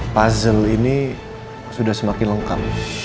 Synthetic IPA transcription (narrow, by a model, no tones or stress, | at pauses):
pazəlini | sudahsəmakɪnləŋka̰p̚